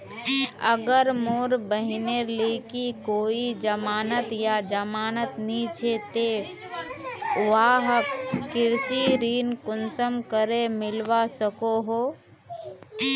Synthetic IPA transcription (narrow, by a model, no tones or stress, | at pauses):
ə̰ɡəɾmoːɾbəɦɪnelekikoːid͡ʒəmaːnət̪jad͡ʒəmaːnət̪nit͡ʃʰet̪e | ʋaɦəkkɪɾsiɾiːnkʊnsəmkəɾemɪlʋasəkoɦoː